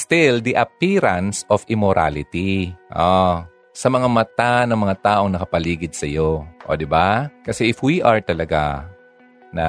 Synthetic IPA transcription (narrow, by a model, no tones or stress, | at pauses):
st̪ɪld̪iʔɐpiɾɐnsofʔɪmoɾʔa̰lɪt̪iʔo | sɐmɐŋamɐt̪anɐŋmɐŋat̪aːʔoŋnɐkɐpɐliːɡɪd̪̚sɐjoʔo̰d̪ɪbakɐsɛʔɪfwiʔɐɹt̪ɐlɐɡa̰ | nɐ̰